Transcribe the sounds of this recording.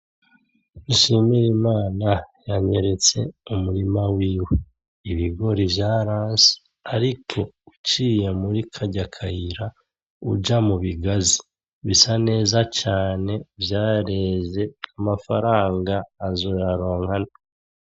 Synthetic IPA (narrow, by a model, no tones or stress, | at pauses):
iʃimiɾimaːnajaɲe̞ɾe̞t͡se̞̰umuɾimawiːwe | iβiɡo̞ɾivjaɾaːnsi̥ | aɾikʰo̞ut͡ʃiːje̞muɾikʰaɟakʰajiɾa | ṵd͡ʒamuβiɡazi | βisane̞ːzat͡ʃaːne̞vjaːɾe̞ze̞amafaɾaːŋɡaːzojaɾo̞ːŋhana